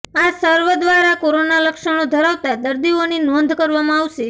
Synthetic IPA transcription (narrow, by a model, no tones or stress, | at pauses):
asəɾʋəd̪ʋaɾakoɾonaləkʃəɽ̃od̪ʱəɾaʋt̪ad̪əɾd̪ioninɔnd̪ʱkəɾʋamãaʋʃe